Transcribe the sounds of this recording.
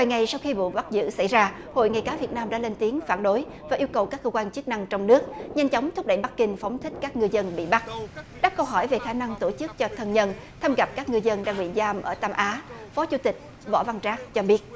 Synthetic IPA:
vaː˨˩jŋa˨˩jsa˧wxi˧ɓṵ˧˨ɓa˦˥k̚zɨ̰˧˥sa˧˩jzaː˧ | ho̰˧˨jŋa˨˩jkaː˨˦vi˨˩ət̚naː˧mɗa̰ː˧˥le˧nt̪i˨˦əŋfaː˧˩nɗo˨˦j | vaː˨˩ʔi˧əwkə˨˩wkaː˦˥kːəː˧kwaː˧nt͡ɕɨ˦˥ək̚na˧ŋt͡ɕɔ˧wŋ͡mnɨ˦˥ək̚ɲa˧jŋ̟t͡ɕɔ˨˦wŋ͡mt̪ʰʊ˦˥k͡p̚ɗə̰˧˨jɓa˦˥k̚kï˧ŋ̟fɔ˨˦wŋ͡mt̪ʰï˦˥k̟̚kaː˦˥k̚ŋɨ˧əzə˧nɓḭ˧˨ɓa˦˥k̚ɗa˦˥p̚kə˧wɦɔ˧˩jve˨˩xaː˧˩na˧ŋt̪o˧˩t͡ɕɨ˦˥k̚t͡ɕɔ˧t̪ʰə˧nɲə˧n | t̪ʰa˧mɣa˨˩p̚kaː˦˥k̚ŋɨ˧əzə˧nɗaː˧ŋɓḭ˧˨zaː˧mʔəː˧˩t̪aː˧mʔaː˨˦fɔ˨˦t͡ɕu˧˦t̪ï˨˩k̟̚ | vɔ̰˧˥va˧nt͡ɕaː˦˥k̚t͡ɕɔ˧ɓi˦˥ət̚

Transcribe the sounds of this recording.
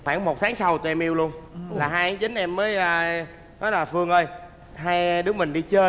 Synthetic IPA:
xwaː˧˩ŋmo˨˩t̚t̪ʰaː˨˦ŋsa˧wt̪u˧ʔɛ˧mʔi˧əwlu˧ənlaː˨˩ɦaː˧jzï˨˦ŋ̟ʔɛ˧mːəː˨˦jəː˧ | nɔ˨˦jlaː˨˩fɨ˧əŋʔəː˧j | ɦaː˧jɗɨ˨˦˥əmï˨˩ŋ̟ɗi˧t͡ɕəː˧

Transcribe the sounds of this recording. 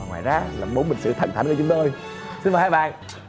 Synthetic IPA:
ŋwaː˨˩jzaː˨˦laː˨˩mɓo˨˦nɓï˨˩ŋ̟sɨ̰˧˨t̪ʰə̰˨˧˩nt̪ʰnkt͡ɕʊ˦ŋ͡mt̪o˧j | sɨ˧nvaː˨˩haː˧˦˥ɓa̰ː˧˨n

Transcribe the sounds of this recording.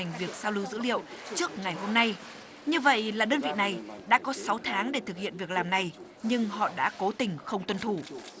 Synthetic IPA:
jŋ̟vi˨˩ək̚saː˧wlɨ˧wzɨ̰˧˥lḭ˧˨əwt͡ɕɨ˦˥ək̚ŋa˨˩jɦo˧mna˧j | ɲɨ˧və̰˧˨jlaː˨˩ɗəː˧nvḭ˧˨na˨˩jɗa̰ː˧˥kɔ˨˦sa˨˦wt̪ʰaː˨˦ŋɗe˧˩t̪ʰɨ˨˩k̚hḭ˧˨ənvi˨˩ək̚laː˨˩mna˨˩j | ɲɨ˧ŋhɔ̰˧˨ɗa̰ː˧˥ko˨˦t̪ï˨˩ŋ̟xə˧wŋ͡mt̪wə˧nt̪ʰu˧˩

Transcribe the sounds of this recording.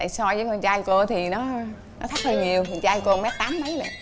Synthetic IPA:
a̰˧˨jsɔ˧jvəː˨˦kɔ˧˩nt͡ɕaː˧jko˧t̪ʰi˨˩nɔ˨˦ | nɔ˨˦t̪ʰa˦˥k̚hə˧ɲi˨˩əwkɔ˨˧˩t͡ɕaː˧jko˧mɛ˦˥t̚t̪aː˨˦mmə˨˦jla̰˧˨

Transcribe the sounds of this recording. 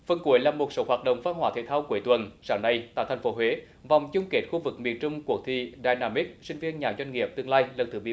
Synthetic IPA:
fə˨˩nku˨˩əjlaː˨˩mo˨˩t̚so˨˦ɦwaː˨˩t̚ɗə̰˧˨wŋ͡mfaː˧nɦwaː˨˦t̪ʰḛ˧˩t̪ʰaː˧wku˨˩əjt̪wə˨˩nsaː˧˩ŋna˧jt̪a̰ː˧˨˩t̪ʰa˨˩jŋ̟fo˨˦ɦwe˨˦ | va˨˩wŋ͡mt͡ɕʊ˧ŋ͡mke˨˦˥t̚xu˧vɨ˨˩k̚mḭ˧˨ənt͡ɕʊ˧ŋ͡mku˨˩ək̚t̪ʰḭ˧˨ɗaː˨˩jnaː˧mi˦˥k̚sï˧ŋ̟vi˧ənɲaː˨˩zwa˧jŋ̟ŋi˨˩əp̚t̪ɨ˧əŋlaː˧jlə˨˩nt̪ʰɨ˨˩ɓḭ˧˨

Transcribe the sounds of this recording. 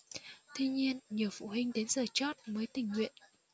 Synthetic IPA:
t̪ʰi˧ɲi˧ənɲi˨˩əwfṵ˧˨ɦï˧ŋ̟ɗe˨˦nzəː˨˩t͡ɕɔ˦˥t̚məː˨˦jt̪ï˨˩ŋ̟ŋwḭ˧˨ən

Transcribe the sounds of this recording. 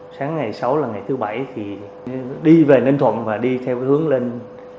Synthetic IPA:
saː˨˦ŋːa˨˩jsa˨˦wlaː˨˩ŋa˨˩jt̪ʰɨ˨˦ɓa˧˩jt̪ʰi˨˩ | ɗi˧ve˨˩ne˧nt̪ʰwə̰˧˨nvaː˨˩ɗi˧t̪ʰɛ˧whɨ˨˦əŋle˧n

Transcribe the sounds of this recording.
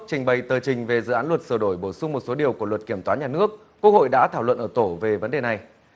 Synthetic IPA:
k̚t͡ɕï˨˩ŋ̟ɓə˨˩jt̪əː˨˩t͡ɕï˨˩ŋ̟ve˨˩zɨ̰˧˨aː˨˦nlwə˨˩t̚səː˧˩ɗo˧˩jɓo˧˩sʊ˧ŋ͡mmo˨˩t̚so˨˦ɗi˨˩əwku˧˩əlwə˨˩t̚ki˧˩əmt̪waː˨˦ɲaː˨˩nɨ˦˥ək̚ːək̚ho̰˧˨jɗa̰ː˧˥t̪ʰaː˧˩wə̰˧˨nʔəː˧˩t̪o˧˩ve˨˩və˨˦nɗe˨˩na˨˩j

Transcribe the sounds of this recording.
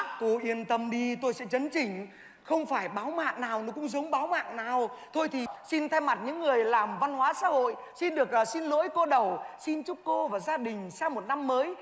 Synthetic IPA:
k̪o˧ʔi˧˩ənt̪ə˧mɗi˧t̪o˧jsɛ̰˧˥t͡ɕə˨˦nt͡ɕï˧˩ŋ̟ | xə˧wŋ͡mfaː˧˩jɓaː˨˦wma̰ː˧˨ŋnaː˨˩wnɔ˨˦kʊ̰˧˥ŋ͡mzə˨˦wŋ͡mɓaː˨˦wma̰ː˧˨ŋnaː˨˩wt̪ʰo˧jt̪ʰi˨˩si˧nt̪ʰa˧jma˨˩t̚ɲɨ̰˧˥ŋːɨ˨˩əjlaː˨˩mva˧nhwaː˨˦sa̰ː˧˥ho̰˧˨j | si˧nɗɨ˨˩ək̚ːsi˧nlo̰˧˥jko˧ɗə˨˩wsi˧nt͡ɕu˦˥k͡p̚ko˧vaː˨˩zaː˧ɗï˨˩ŋ̟saː˧mo˨˩t̚na˧mːəː˨˦j

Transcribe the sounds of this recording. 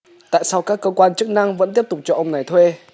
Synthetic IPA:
t̪a̰ː˧˨jsa˧wkaː˦˥kːəː˧kwaː˧nt͡ɕɨ˦˥k̚na˧ŋvə̰˧˥nt̪i˦˥əp̚t̪k͡p̚t͡ɕɔ˧ʔə˧wŋ͡mna˨˩jt̪ʰwe˧

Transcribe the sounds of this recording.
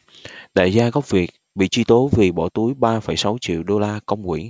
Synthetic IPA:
ɗa̰˧˨jzaː˧ɣɔ˦˥p̚vi˨˩ək̚ | ɓḭ˧˨t͡ɕwi˧t̪o˨˦vi˨˩ɓɔ˧˩t̪u˨˦jɓaː˧fə˧˩jsa˨˦wt͡ɕḭ˧˨əwɗo˧laː˧kə˧wŋ͡mkwḭ˧˩ə˨n

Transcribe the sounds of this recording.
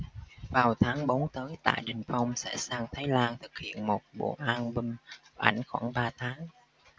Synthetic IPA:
vaː˨˩wt̪ʰaː˨˦ŋɓo˨˦nt̪əː˨˦jt̪a̰ː˧˨jɗï˨˩ŋ̟fa˧wŋ͡msɛ̰˧˥saː˧ŋt̪ʰaː˨˦jlaː˧nt̪ʰɨ˨˩k̚hḭ˧˨ənmo˨˩t̚ɓo̰˧˩ʔaː˧nɓï˧ŋ̟ʔa̰˧˩jŋ̟xwaː˧˩nɓaː˧t̪ʰaː˨˦ŋ

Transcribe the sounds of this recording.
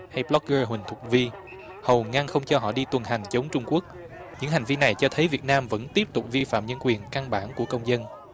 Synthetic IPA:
ha˧jɓlɔ˦˥k̚ɣəː˧ɦwï˨˩ŋ̟t̪ʰə˨˩k͡p̚vi˧ | hə˨˩wŋa˧ŋxə˧wŋ͡mt͡ɕɔ˧ɦɔ̰˧˨ɗi˧t̪wə˨˩nɦa˨˩jŋ̟t͡ɕə˨˦wŋ͡mt͡ɕʊ˧ŋ͡mku˦˥ək̚ | ɲɨ̰˧˥ŋha˨˩jŋ̟vi˧na˨˩jt͡ɕɔ˧t̪ʰə˨˦jvi˨˩ət̚naː˧mvə̰˧˥nt̪i˦˥p̚t̪ʊ˨˩k͡p̚vi˧fa̰ː˧˨mɲə˧nkwi˨˩ənka˧ŋɓa̰ː˧˩nku˧˩əkə˧wŋ͡mzə˧n

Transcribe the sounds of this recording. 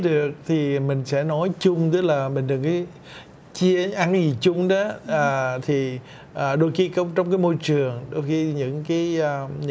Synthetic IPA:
ɗɨ˨˩ək̚t̪ʰi˨˩mï˨˩ŋ̟sɛ̰˧˥nɔ˨˦jt͡ɕʊ˧ŋ͡mt̪̬ɨ˦˥k̚laː˨˩mï˨˩ŋ̟t̪ɨ˨˩ŋka˨˦ | t͡ɕi˧əʔa˧nka˨˦zi˨˩t͡ɕʊ˧ŋ͡mɗɔ˨˦ʔːt̪ʰi˨˩ | ʔəː˨˩ɗo˧jxi˧kə˧˦wŋ͡mt͡ɕɔ˧wŋ͡mk̬aː˨˦jmo˧jt͡ɕɨ˨˩əŋɗo˧jxi˧ɲɨ̰˧˥ŋkaː˨˦jːɲɨ̰˧

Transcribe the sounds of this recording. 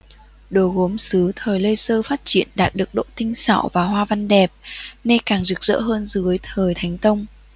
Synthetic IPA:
ɗo˨˩ɣo˨˦msɨ˨˦t̪ʰəː˨˩jlə˧jsəː˧faː˦˥t̚t͡ɕi˧˨ənɗaː˨˩t̚ɗɨ˨˩ək̚ɗo̰˧˨t̪ï˧ŋ̟sa̰ː˧˨wvaː˨˩ɦwaː˧va˧nɗɛ˨˩p̚ne˧kaː˨˩ŋzɨ˨˩k̚zə̰ː˧˥ɦəː˧nzɨ˨˦əjt̪ʰəː˨˩jt̪ʰa˨˦jŋ̟t̪ə˧wŋ͡m

